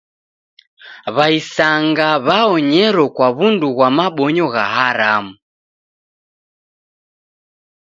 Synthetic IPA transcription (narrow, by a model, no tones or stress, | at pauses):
βaisaŋɡaβaɔɲɛɾɔkwaβunduɣwamaɓɔɲɔɣaɦaɾamu